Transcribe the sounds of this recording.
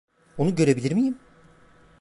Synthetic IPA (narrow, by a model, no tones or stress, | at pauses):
onuɟø̞ɾebilʲiɾmijim